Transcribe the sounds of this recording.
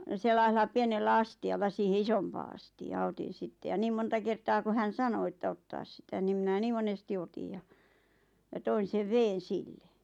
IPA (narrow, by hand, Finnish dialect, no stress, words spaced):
selːɑiselːɑ pienelːæ ɑstiɑlːɑ siːhe isompɑː ɑstiɑː otin̞ sitːe jɑ niːm montɑ kertɑː ku hæn̞ sɑno etːæ otːɑːs sitæ nim mĭnæ niː monesti otij jɑ jɑ toin̞ seʋ ʋeːn̞ silːe